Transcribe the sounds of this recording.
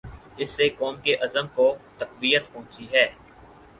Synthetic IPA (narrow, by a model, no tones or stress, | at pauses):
ɪsːekɔːmkeʔɐzəmkot̪ɐqʋijət̪pɐɦʊ̃t͡ʃiɦɛː